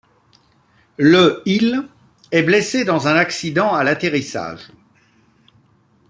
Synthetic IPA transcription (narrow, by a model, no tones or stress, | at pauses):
ləil | ɛblesed̪ɑ̃zɛ̃naksid̪ɑ̃alat̪eʁisa̰ːʒ